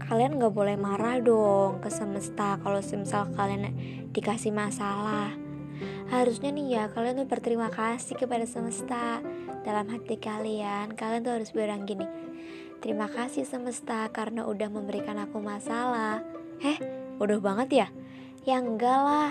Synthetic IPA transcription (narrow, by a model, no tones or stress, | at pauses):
kʰalianŋɡaʔbolɛhmaɾahdɔŋkəsəməst̪akalosəmisalakalian | d̥ikasihmasalah | haɾusɲanijakaliant̪uhbərt̪əɾimakasɪkəpadasəməst̪ad̥alamɦat̪ikaliankaliant̪uɦaɾʊsbəɾaŋɡini | t̪əɾimakasisəməst̪akaɾənaʔudahməmbəɾikanakumasalah | ɛhudahbaŋət̪ja | jaŋɡala